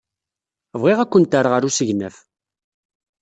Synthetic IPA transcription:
vʁiʁækʷːənt̪əɾʁəɾusəʝnəf

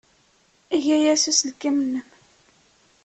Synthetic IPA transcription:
iʝæjæsusəlkːimnːəm

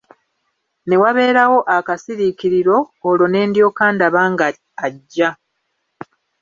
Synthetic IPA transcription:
ne̞waβe̞ːɾawo̞ʔakasiɾikiɾiɾo̞ːlo̞ne̞ːndjo̞ːkaːndaβaːŋɡaː | ɟːa

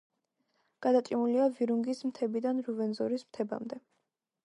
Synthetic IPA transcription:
ɡ̥ad̪at̪ʼimuliaviɾuŋɡismt̪ʰɛbid̪anɾuvɛnzɔɾismt̪ʰɛba̰md̪ɛ

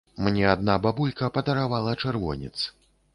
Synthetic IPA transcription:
mnʲɛad̪̚nababulʲkɐpɐd̪ɐɾavalˠɐt͡ʂɛrvɔ̰nʲɛ̰t̪s

